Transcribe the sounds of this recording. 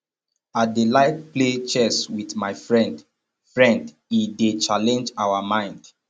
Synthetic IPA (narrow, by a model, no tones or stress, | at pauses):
at̚delaɪt̚plet͡ʃɛswiθmaɪfɹɛ̃nd | fɹɛ̃nd | idet͡ʃalɛ̃nd͡ʒawamãɪ̃nd̥